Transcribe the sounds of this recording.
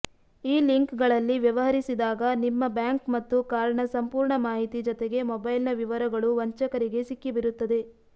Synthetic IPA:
iːliŋkɡɐɭɐlːiʋjɐʋɐɦɐɾisid̪aːɡɐnimːɐbjaːŋkmɐt̪ːukaːɾɐɳɐsɐmpuːɾɳɐmaːɦit̪id͡ʒɔt̪eɡe̞mɔbɐjlnɐʋiʋɐɾɐɡɐɭuʋɐɲt͡ʃɐkɐɾiɡe̞sikːibiɾut̪ːɐd̪e̞

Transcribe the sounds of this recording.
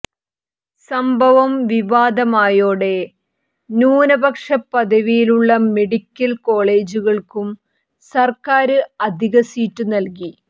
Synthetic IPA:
sɐmbʱɐʋɐmʋiʋaːd̪ɐmaːjo̞ːɽe̞ | nuːnɐbɐkʂɐpːɐd̪ɐʋijiluɭːɐme̞ɽikʲːɐlko̞ːɭe̞ːd͡ʑuɣɐɭkum | sɐrkaːɾɨɐd̪ʱiɣɐsiːtːunɐlki

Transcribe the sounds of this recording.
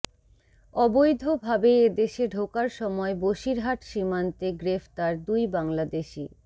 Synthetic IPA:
ɔbojd̪ʱobʱabeed̪eʃeɖʱokaɾʃɔmɔeboʃiɾɦaʈʃimant̪eɡɾeft̪aɾd̪ujbaŋlad̪eʃi

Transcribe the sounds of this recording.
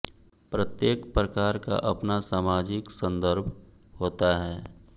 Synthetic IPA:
pɾət̪jeːkpɾəkaːɾka̰ʔɐpnasaːmaːd͡ʒɪksə̃nd̪əɾbʱ | hoːt̪aɦɛː

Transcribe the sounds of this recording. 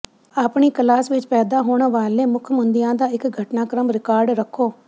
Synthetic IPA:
aːpɳiːkəlaːsʋɪt͡ʃpɛːd̪aːɦoːɳʋaːleːmʊkʰmʊnd̪ɪjãːd̪aːɪkɡʱəʈnaːkɾəmɾɪkaːɾɖɾəkʰːoː

